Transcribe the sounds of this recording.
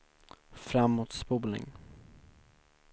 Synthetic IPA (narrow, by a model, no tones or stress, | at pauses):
fɾamːoːt̪spuːlɪ̰ŋ